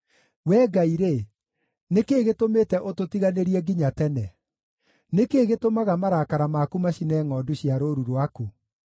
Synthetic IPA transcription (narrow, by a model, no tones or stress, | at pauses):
wɛːɡaiɾe | nekeːɣetometɛʔototiɣaneɾiɛɡiɲatɛnɛ | nekeːɣetomaɣamaɾakaɾamaːkumaɕinɛːŋɔduɕiaɾoɾuɾwaku